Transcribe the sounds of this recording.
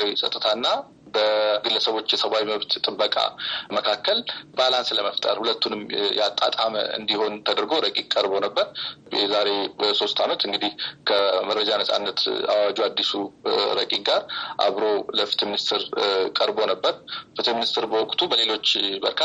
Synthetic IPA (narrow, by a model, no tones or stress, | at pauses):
wisʼə̰t̪ʼːɨt̪ʰanːa | bəɡɨlːəsəβo̞t͡ʃːjɛsəβawiməβt̪t̪ʼɨbːəkʼa̰məkʰakʰːəlbalansləməft̪ʼə̰ɾhulət̪ːunɨmjɛat̪ʼːa̰t̪ʼamə̰ɨ̰nd̪iho̞nt̪ʰəd̪əɾɡo̞ɾəkʼiŋkʼəɾbo̞nəbːəɾjɛzaɾe̞so̞st̪ʰamət̪ɨŋɡɨd̪ihkʰəmərːəd͡ʒanəsʼa̰nːət̪a̰wad͡ʒuad̪ːisuɾəkʼiŋɡaɾʔa̰βɾo̞ləfi̥t̪ʰminist̪ʰɨɾkʼəɾbo̞nəbːəɾfit̪ʰminist̪ɨɾbəwɔkʼt̪ʰubəle̞lo̞t͡ʃːbə̰ɾkʰa